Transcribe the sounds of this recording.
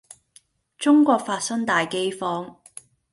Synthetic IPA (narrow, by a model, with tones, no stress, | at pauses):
t͡sʊ˥ŋkʷɔː˧k̚faː˧t̚sɐ˥ŋt̪aː˨jke˥jfɔː˥ŋ